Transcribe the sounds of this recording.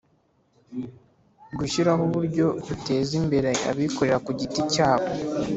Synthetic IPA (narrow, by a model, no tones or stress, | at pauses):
ɡuʃiɾaɦoβuɾɟo̞dute̞ːzimbe̞ɾea̰βiko̞ɾe̞ɾakuɟiticaːβo